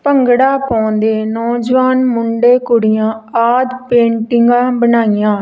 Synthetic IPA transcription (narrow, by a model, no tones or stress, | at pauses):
pəŋɡɽaːpɔ̃ːnd̪eːnɔːd͡ʒʋaːnmʊɳɖeːkʊɽɪjãːaːd̪pẽːɳʈɪŋɡãːbənaːɪjãː